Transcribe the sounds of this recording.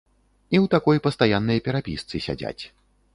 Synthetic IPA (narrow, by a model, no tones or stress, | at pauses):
iwt̪akɔjpɐst̪ajanːɐjɐpʲɛɾapʲist̪sɨsʲa̰d͡zʲa̰t͡sʲ